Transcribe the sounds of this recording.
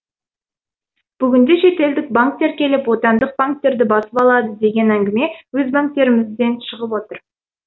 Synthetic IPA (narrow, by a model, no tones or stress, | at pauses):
b̥ʏɡʲɪnd̪e̞ʃe̞t̪e̞ld̪ɪk̚baŋk̚t̪ːe̞ɾkʲe̞lɪpwo̞t̪ɑnd̪əq̚b̥aŋk̚t̪ːe̞ɾd̪ɪbɑsəpɑlˠɑd̪əd̪e̞ɡʲe̞næŋɡʲɪme̞wɵzbaŋk̚t̪e̞ɾɪmɪzd̪e̞nʃəʁəpwo̞t̪əɾ